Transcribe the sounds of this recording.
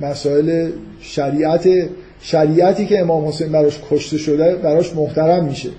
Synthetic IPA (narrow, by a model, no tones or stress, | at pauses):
mæsɒːe̞le | ʃæɾiːʔæt̪ʰe | ʃæɾiːʔæt̪ʰiːce̞emɒːmho̞sejnbæɾɒːʃkʰoʃt̪e̞ʃod̪æbæɾɒːʃmoht̪ʰæɾæmːiːʃe